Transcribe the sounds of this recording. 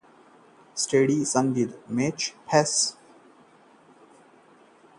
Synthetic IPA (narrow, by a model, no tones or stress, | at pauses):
sʈeːɖisʌ̃nʋid̪met͡ʃpʰɛs